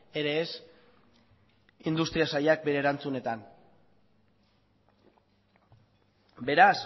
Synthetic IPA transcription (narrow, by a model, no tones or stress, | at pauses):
e̞ɾeːs | ind̪ust̪ɾiasajak̚be̞ɾe̞ːɾant͡sune̞t̪an | be̞ɾas